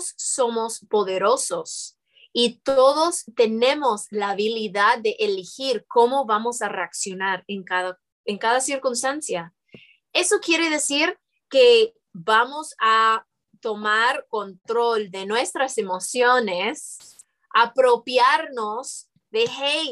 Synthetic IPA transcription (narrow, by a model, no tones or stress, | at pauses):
sːo̞mo̞spo̞ðe̞ɾo̞so̞s | it̪o̞ðo̞st̪e̞ne̞mo̞slaːβiliðaðːe̞ʔelixiɾko̞mo̞βamo̞sare̞aksjo̞naɾeŋkaða | eŋkaðasiɾkunst̪ansja | e̞so̞kje̞ɾe̞ðe̞siɾ | ke̞ | βamo̞sa | t̪o̞maɾko̞nt̪ɾo̞ld̪e̞nwe̞st̪ɾase̞mo̞sjones | ʔapɾo̞pjaɾnos | ðe̞hej